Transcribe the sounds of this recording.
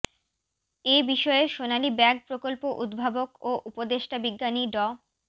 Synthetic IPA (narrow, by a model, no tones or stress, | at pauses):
ebiʃɔeeʃonalibɛɡ̚pɾokolpoʔud̪bʱabokoʔupod̪eʃʈabiɡːaniɖɔ